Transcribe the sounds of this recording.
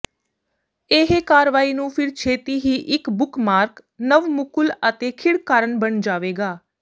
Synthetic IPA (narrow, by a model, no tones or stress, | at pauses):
eɦekaːɾʋaːiːnũːpʰɪɾt͡ʃʰeːt̪iːɦiːʔɪkbʊkmaːɾk | nəʋmʊkʊlət̪eːkʰɪɽkaːɾənbəɳd͡ʒaːʋeːɡaː